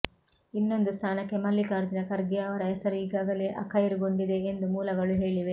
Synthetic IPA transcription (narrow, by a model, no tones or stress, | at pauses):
inːo̞nd̪ust̪ʰaːnɐkːe̞mɐlːikaːɾd͡ʒinɐkɐɾɡeɐʋɐɾɐɛsɐɾuiːɡaːɡɐleʔɐkʰːɐjiɾuɡoɳɖid̪e̞ːnd̪umuːlɐɡɐɭuɦe̞ːɭiʋe̞